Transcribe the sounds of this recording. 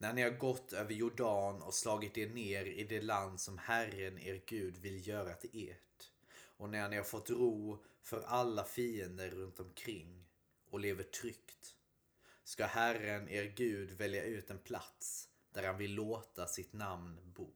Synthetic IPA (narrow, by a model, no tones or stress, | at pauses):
næhnɪhaɾɡɔt̪ːøːvəɾjʊɖɑːnɔ̰slɑːɡɪt̪̚d̪eneːɾɪd̪ɛland̪sɔmhærənḛːɾɡʉ̟ːd̪vɪljœːɾat̪ʰɪleːʈ | ɔnæɾhanɪhaɾfɔt̪ːɾuːfœɾʔalːafiːənd̪əɾːɵnt̪ɔmkʰɾɪŋː | ɔleːvəʈʰɾʏkt̪ | skahærəneːɾɡʉ̟ːd̪vɛljaʉ̟ːt̪ɛnpʰla̰t̪s | d̪̥æɾhanvɪlːoːt̪asɪt̪namnbuː